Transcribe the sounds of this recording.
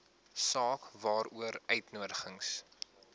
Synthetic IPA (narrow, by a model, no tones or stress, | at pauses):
sɑːkvɑːɾuəɾœɥtnuədəχəŋs